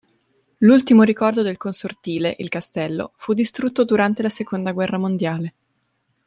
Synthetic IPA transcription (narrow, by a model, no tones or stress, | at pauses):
lult̪imoɾikɔrd̪od̪elkonsort̪iːleʔilkast̪ɛlːo̰fud̪ːist̪ɾut̪ːod̪uɾant̪elasekond̪aɡwɛrːamond̪jaːle